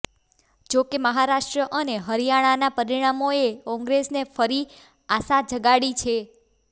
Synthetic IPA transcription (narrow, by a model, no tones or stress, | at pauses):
d͡ʒokeməɦaɾaʃʈɾəʔəneɦəɾijaɽ̃anapəɾiɽ̃amoekɔ̃ŋɡɾesnefəɾi | asad͡ʒʱəɡaɽit͡ʃʰe